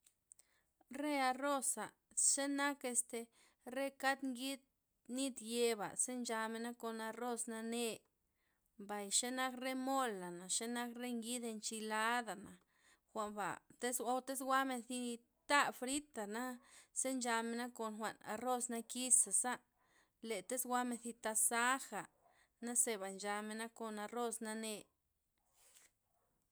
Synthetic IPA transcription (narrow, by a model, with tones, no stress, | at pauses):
ɾe˦a˧ro˦sa˨ | ʃe˦na˦ke˧st̪e˧ | ɾe˦ka˦d̪ŋɡi˦d̪̚ | ni˦t̪je˧ba̰˨se˦nd͡ʒa˧me˧na˦ko˧na˧ɾo˦sna˧ne˧ | mba˨jʃe˦na˦kɾe˦mo˦lːa˨na˨ʃe˦na˦kɾe˦ŋɡi˦d̪e˧nt͡ʃi˧la˦d̪a˨na˨ | xʷa˧˨mba̰˨t̪e˦so˧wt̪e˦s̬ɡʷa˦me˧nθi˧ | t̪a˦fɾi˦t̪a˨na˦se˦nd͡ʒa˧me˧na˦ko˨nxʷa̰˨ʔna̰˧ɾo˦sna˧ki˦sa˨sa˦ | le˨t̪e˦sɡʷwa˦me˧nθi˧t̪a˧sa˦xa˨ | na˦se˧βa˨nd͡ʒa˧me˧na˦ko˧˨na˧ɾo˦sna˧ne˧